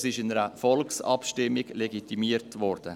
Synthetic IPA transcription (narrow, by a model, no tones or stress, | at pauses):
sɪʃɪnəɾəfɔlksɑ̰pʃtɪmːɪɡleɡitimiːəɾtvɔɾd̥ə